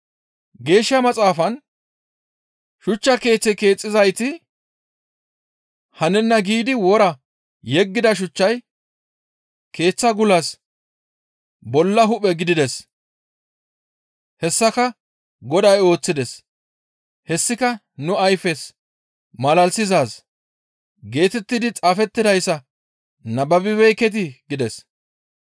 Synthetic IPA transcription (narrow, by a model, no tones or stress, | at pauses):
ɡe̞ːʃːɐmɐt͡sʼaːfɐn | ʃʊt͡ʃːɐke̞ːt͡sːɛke̞ːt͡sʼːɪzɐjt̪ɪ | hɐnɛnːɐɡiːd̪ɪwɔɾɐ | jɛɡːɪd̪ɐʃ̬ʊt͡ʃːɐj | ke̞ːt͡sːɐɡʊlɐs | bɔlːɐɦʊpʼɛɡɪd̪ɪd̪ɛs | hɛsːɐkɐ | ɡɔd̪ɐjo̞ːt͡sːɪd̪ɛs | hɛsːɪkɐ | nʊɐjfɛs | mɐlɐlsɪzaːs | ɡe̞ːt̪ɛt̪ːɪd̪ɪt͡sʼaːfɛt̪ːɪd̪ɐjsːɐ | nɐbɐbɪβɛjkɛt̪̬ɪɡɪd̪ɛs